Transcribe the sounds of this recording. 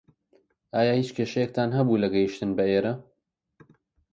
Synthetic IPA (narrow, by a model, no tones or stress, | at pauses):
ʔaːjahiːt͡ʃkʰeːʃɐjek̚t̪ʰaːnɦɐbuːlɐɡɐjiʃt̪ɨnbɐeːɾɐ